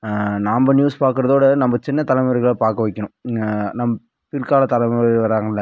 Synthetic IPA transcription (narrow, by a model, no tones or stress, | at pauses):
naːmbɐnjuːspaːɾkɯɾɐðoːɽɐnɐmbɐt͡ʃɪnːɐt̪ɐlɐmɐɾɯɣɐɭɐpaːɾkɐʋɐɪkːɐnʊ̃nɐmːɐ | pɪɾkaːlɐt̪ɐlɐmɾʋɐɾaːŋɡɐɪlːɐ